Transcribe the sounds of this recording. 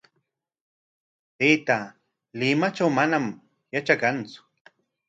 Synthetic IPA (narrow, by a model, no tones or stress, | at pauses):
pet̪a | lɪmat͡ʃawmanam | jat͡ʃakant͡sʊ̥